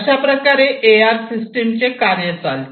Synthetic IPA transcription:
ɕapɾəkaɾeʔeaɾsisʈemt͡ɕekaɾjət͡sal

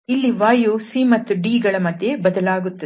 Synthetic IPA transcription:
ilːiʋaːjusimɐt̪ːuɖiːɡɐɭɐmɐd̪ʱjebɐd̪ɐlaːɡut̪ːɐ

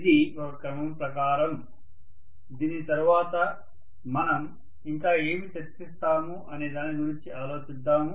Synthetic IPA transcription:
d̪iɔkɐkɾɐmɐmpɾɐkaːɾɐm | d̪iːnit̪ɐɾuʋaːt̪ɐ | mɐnɐm | iŋkaːe̞ːmit̪et͡ʃist̪aːmuʔɐneːd̪aːniɡuɾiɲt͡ʃiaːlo̞ːt͡ʃid̪ːaːmu

